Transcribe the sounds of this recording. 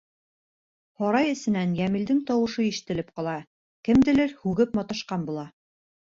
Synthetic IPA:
hɒɾɑjɘ̆sɘ̆nænjæmɘ̆ld̪ɘŋt̪ɒwɤ̆ʃɤiʃɘ̆t̪ɘ̆lɘp̚qɒlˠɑ | kɘ̆md̪ɘ̆lɘɾhʉɡɘpmɒt̪ɑ̆ʃqɑnbulˠɑ

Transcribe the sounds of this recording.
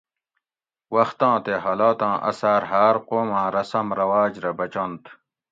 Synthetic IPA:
wɐxt̪ãːt̪eɦɐlaːt̪ãːʔɐ̰saːɾɦaːɾqoːmãːɾɐsɐmɾɐwaːd͡ʑɾɐbɐt͡ɕɐnt̪

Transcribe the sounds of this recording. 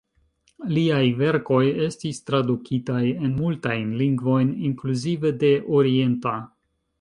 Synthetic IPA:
liajve̞ɾko̞je̞stistɾadukʰitaje̞nmultajnliŋɡvo̞jniŋkluzive̞de̞ʔoɾie̞nta

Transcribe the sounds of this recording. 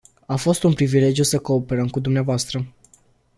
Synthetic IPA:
afo̞st̪unpɾivile̞d͡ʒijusəko̞ːpe̞ɾəmkud̪umneavoast̪ɾə

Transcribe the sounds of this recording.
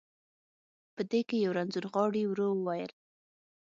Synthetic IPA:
pəd̪ekejawɾanzuɾɣɑɽiwɾowəwajəl

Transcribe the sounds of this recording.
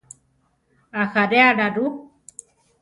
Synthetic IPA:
axaɾeaɽaɾu

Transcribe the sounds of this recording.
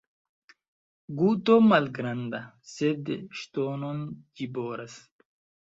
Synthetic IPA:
ɡut̪omɐlɡɾɐnd̪ɐ | sed̪ɕt̪oːnond͡ʑiboːɾɐs

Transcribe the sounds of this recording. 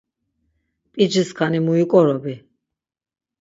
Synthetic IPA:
pʼid͡ʒiskʰanimuikʼɔɾɔbi

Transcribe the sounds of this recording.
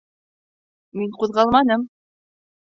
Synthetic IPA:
miɴquðʁɑlˠmɑnɤm

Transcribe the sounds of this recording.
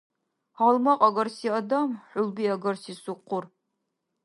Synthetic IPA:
aːlmɐqʼɐɡɐrsiːɐdɐmħʷʊlbiːɐɡɐrsiːsuqʷːʊr

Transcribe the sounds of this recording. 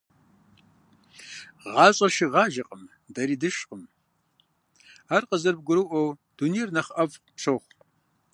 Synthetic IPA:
ʁɑːɕʼɐʃiʁɑːʒɐqʼəm | dɐɾiːdɨʃqəm | aːrqəzɐrb̚ɡʷʊɾɨwʔɐwd̥unejrnɐχɐvpʂʰoχʷ

